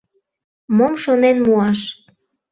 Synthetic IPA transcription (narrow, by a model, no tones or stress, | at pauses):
momʃonenmuɑʃ